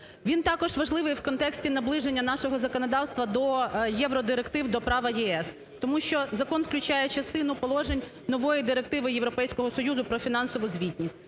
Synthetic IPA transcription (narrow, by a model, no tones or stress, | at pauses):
ʋʲint̪ɑkɔʒʋɐʒlˠɪʋɪjwkɔnt̪ɛksʲtʲinɐblˠɪʒenʲːɐnɑʃɔɦɔzɐkɔnɔd̪ɑwst̪ʋɐd̪ɔjɛʋɾɔd̪ɪɾekt̪ɪwd̪ɔpɾɑʋɐjɛɛs | t̪ɔmuʃʲt͡ʃɔzɐkɔnwklʲʊt͡ʃajɛt͡ʃɐst̪ɪnʊpɔlˠɔʒenʲ | nɔʋɔjid̪ɪɾek̚t̪ɪʋɪjeʋɾɔpɛjsʲkɔɦɔsɔjuzʊpɾɔfʲin̪ɑnsɔʋʊzʲʋʲitʲnʲisʲtʲ